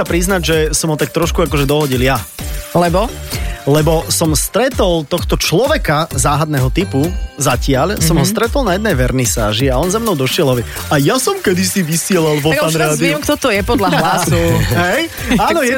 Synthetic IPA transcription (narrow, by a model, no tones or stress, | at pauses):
apɾiznaɟʒɛsɔmɦɔt̪ak̚t̪ɾɔʃkuakɔʒɛd̪ɔɦɔɟiljalɛbɔlɛbɔsɔmst̪ɾɛt̪ɔlt̪ɔxt̪ɔt͡ʃlɔʋɛkazaːɦad̪nɛɦɔt̪ipuzacɪaʎsɔmɦɔst̪ɾɛt̪ɔlˠnajɛd̪nɛjʋɛɾnisaːʒiaɔnzamnɔʊd̪ɔʃɪɛlˠɦɔʋjɛ | ajasɔmkɛd̪isiʋisɪɛlalʋɔanɾaːd̪iɛmkt̪ɔt̪ɔjɛpɔd̪laɦasuɦɛj | aːnɔjɛ